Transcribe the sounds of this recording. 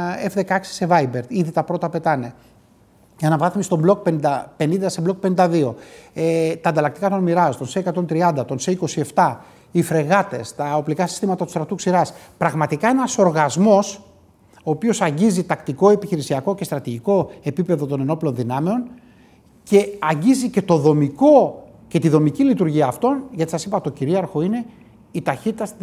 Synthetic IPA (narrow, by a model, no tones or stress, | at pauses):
efðe̞kɐɐksi̥se̞vɐjbe̞ɾt̪iðit̪ɐpɾo̞t̪ɐpe̞t̪ɐne̞ | ʝɐnɐvɐθmist̪o̞blok̚penid̪ɐpe̞nind̪ɐseblo̞k̚penind̪ɐðio̞ | t̪ɐːnd̪ɐlɐkt̪ikɐt̪onmiɾɐst̪o̞nseekɐt̪o̞nt̪ɾiɐnd̪ɐt̪o̞nseiko̞sie̞ft̪ɐ | ifɾe̞ɣɐt̪e̞̰st̪ɐo̞plikɐsi̥st̪imɐt̪ɐt̪u̥st̪ɾɐt̪uksiɾɐspɾɐɣmɐt̪ikɐe̞nɐso̞ɾɣɐzmo̞s | o̞ːpio̞sɐɲɟizit̪ɐkt̪iko̞e̞piçiɾisiɐko̞cest̪ɾɐt̪iʝiko̞e̞pipe̞ðo̞t̪o̞ne̞no̞plo̞nðinɐme̞o̞n | ce̞ɐɲɟizice̞t̪o̞ðo̞miko̞ | ce̞t̪iðo̞micilit̪uɾʝiɐːft̪o̞nʝɐt̪isɐsipɐt̪o̞ciɾiɐɾxo̞ine | it̪ɐçit̪it̪ɐs